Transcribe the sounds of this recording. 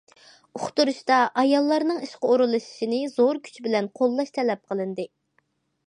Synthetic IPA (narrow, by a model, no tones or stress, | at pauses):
ʊχt̪uɾuʃt̪ɑʔɑjɑlˠːɑɾnɨŋiʃqəoɾɨlˠɨʃi̥ʃinɪz̥oɾkʲʰy̥t͡ʃʰbɪlɛnqʰolˠːɑʃt̪ʰɛlɛp̚qʰəlˠɨnd̪ɨ